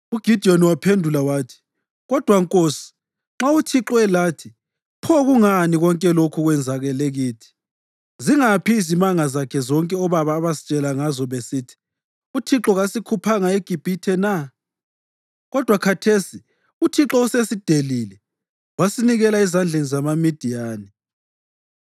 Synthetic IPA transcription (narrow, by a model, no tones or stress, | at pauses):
uɡ̥ʱid̥ʱioniwapʰendʱulawaːtʰi̥ | ɣɔd̥ʱwaŋkʼoːsi̥ | ŋ͡ǁautʰiǁɔɛlaːtʰi | pʰɔɣuŋaniɣɔŋkʼɛlokʰuɣwɛnd͡zʱaɣɛleɣiːtʰi̥ | ziŋapiːzimaŋazakʰɛzɔŋkʼɛɔβaβaːβasit͡ʃʼɛlaŋazɔβesitʰi̥ | utʰiǁɔɣasikʰupʰaŋaeɡ̥ʱib̥ʱitʰɛna | ɣɔd̥ʱwakʰatʰesi | utʰiǁɔusesid̥ʱelilɛ | wasiniɣɛlaizand͡ɮʱenizamamid̥ʱijaːnɛ